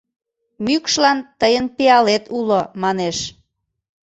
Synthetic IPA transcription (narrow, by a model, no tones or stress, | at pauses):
mykʃlɑnt̪əjənpeɑlet̪ulomɑneʃ